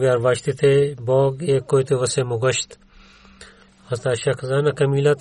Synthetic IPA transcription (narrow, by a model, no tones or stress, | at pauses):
ɡjaːɾʋaːʃt̪it̪ʰeboːɡeːkːoːjt̪eʋɐsemʊɡɐʃt̪ | hɐst̪aːʃɐkzaːnɐkɐmiːlat̪